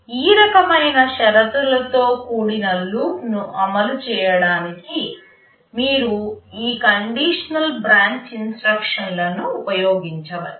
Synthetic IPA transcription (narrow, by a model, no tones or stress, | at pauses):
iːɾɐkɐmɐjnɐʃɐɾɐt̪ulɐt̪o̞ːkuːɽinɐluːknuʔɐmɐlut͡ʃɛːjɐɽaːniki | miːɾuiːkɐɳɖiːʂɐnɐlbɾaːɲt͡ʃinsʈɾɐkʂɐnlɐnuupɐjoːɡiɲt͡ʃɐʋɐ̰li